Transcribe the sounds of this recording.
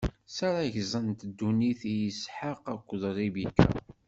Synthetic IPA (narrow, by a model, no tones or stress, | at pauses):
saɾaʝzˤənt̪d̪ːuniθijəsħəqækʷːðˤɾˤibikʰːæ̰